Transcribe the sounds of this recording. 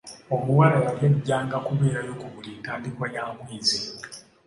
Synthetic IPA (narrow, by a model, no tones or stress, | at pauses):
omuwalalaɾaɟːaːŋɡakuβe̞ːɾajo̞kuβuliːntaːndikwajaːmwiːnze